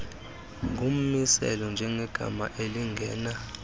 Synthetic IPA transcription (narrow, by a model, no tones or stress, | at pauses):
ŋʱum̩misɛ̰lɔnd͡ʒʱɛŋɛɡ̥ʱa̰maʔeliŋɡʱɛːna